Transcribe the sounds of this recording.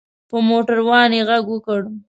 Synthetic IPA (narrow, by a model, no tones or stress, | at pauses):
pəmoʈaɾwɑneɣaɡwəkaɽum